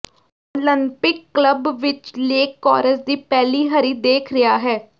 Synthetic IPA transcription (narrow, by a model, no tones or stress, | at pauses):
oːlɪmpɪkːləbʋɪt͡ʃleːkːɔːɾəzd̪iːpɛːliːɦəɾiːd̪eːkʰɾɪjaːɦɛː